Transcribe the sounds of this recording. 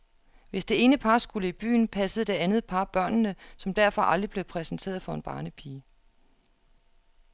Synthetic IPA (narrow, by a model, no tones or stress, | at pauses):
ʋe̝sd̥e̝e̝ːnəpʰɑ̈sɡ̥uləib̥y̰ːn̩pʰæsəð̩ˠəd̥e̝ænð̞̩ˠpʰɑ̈b̥ɶɐ̰nnəsɒ̽md̥æɐ̰fɒ̽ʔɑld̥ʁib̥le̝ʊpʰʁɛsn̩t͡sʰe̝̰ːɐð̞̩ˠfɒ̽e̝nb̥ɑ̰̈ːnəpʰiː